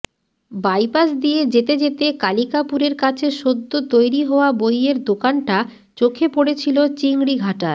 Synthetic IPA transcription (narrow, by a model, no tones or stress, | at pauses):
bajpasd̪ijed͡ʑet̪ed͡ʑet̪ekalikapuɾeɾkat͡ɕʰeʃod̪ʱːot̪ojɾiɦɔoabojeɾd̪okanʈa | t͡ɕokʰepoɽet͡ɕʰilot͡ɕiŋɽiɡʱaʈaɾ